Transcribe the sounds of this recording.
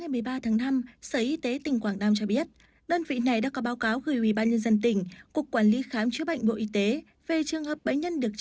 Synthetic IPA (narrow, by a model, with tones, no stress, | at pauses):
a˨˩jmɨ˨˩əjɓaː˧t̪ʰaː˨˦ŋna˧msəː˨˩ʔi˧t̪e˨˦t̪ï˨˩ŋ̟kwaː˧˩ŋnaː˧mt͡ɕɔ˧ɓi˦˥ət̚ | ɗəː˧nvḭ˧˨na˨˩jɗa̰ː˧˥kɔ˨˦ɓaː˨˦wkaː˨˦wɣəː˧˩jʔwi˧˩ɓaː˧nɲə˧nzə˧nt̪ï˨˩ŋ̟ku˨˩əkːwaː˧˩nli˨˦xaː˨˦mt͡ɕɨ˦˥əɓa̰˧˨jŋ̟ɓo̰˧˨ʔi˧˦t̪e˨˦ | ve˨˩t͡ɕɨ˨˩əŋhəː˨˩p̚ɓə̰˧˥jɲə˧nɗɨ˨˩ək̚